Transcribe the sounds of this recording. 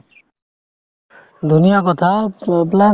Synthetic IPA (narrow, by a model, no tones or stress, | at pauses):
d̪ʱunijakɔt̪ʰapla